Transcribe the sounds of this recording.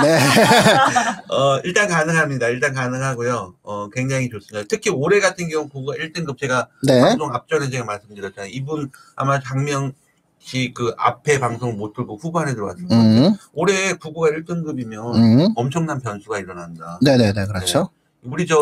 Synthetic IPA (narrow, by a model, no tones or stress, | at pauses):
ne | ʌiɭt͈ankanɯŋɦamɲidaiɭt͈ankanɯŋɦaɡojoʌkwe̞ŋd͡ʑaŋit͡ɕos͈ɯmɲidaatʰɯkʰioɾe̞ɡatʰɯnɡjʌuŋkuɡuɡaiɭt͈ɯnɡɯp̚t͡ɕe̞ɡaneaaŋsʰoŋap̚t͡ɕ͈ʌnet͡ɕe̞ɡamaɭs͈ɯmdɯɾjʌtt͡ɕ͈anaibun | a̰mat͡ɕaŋmjʌŋ | ɕʰikɯa̰pʰe̞paŋsʰoŋɭmotʰɯɭɡoɸuboɦanedɯɾʌk͈a̰s͈ɯnooɾe̞kuɡuɡaiɭt͈ɯnɡɯbimjʌnʌmt͡ɕʰʌŋnanpjʌnsʰuɡaiɾʌnandane̞nenekɯɾʌt͡ɕʰo | uɾid͡ʑʌ